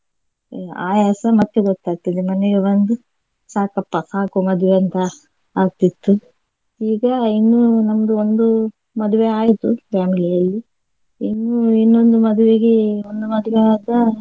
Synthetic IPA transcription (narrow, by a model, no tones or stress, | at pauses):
a̰ːjaːsɐmɐt̪ːeɡot̪ːaːɡ̚t̪id̪emɐneɡeʋond̪u | saːkɐpːɐsaːkomɐd̪uʋeɐnt̪ɐ | aːɡ̚t̪it̪ːu | iːɡɐinːunɐmɐd̪uond̪u | mɐd̪uʋeaːjit̪upʰaːmilijɐlːi | inːuinːo̞nd̪umɐd̪uʋeɡeond̪umɐd̪uʋeaːd̪ɐ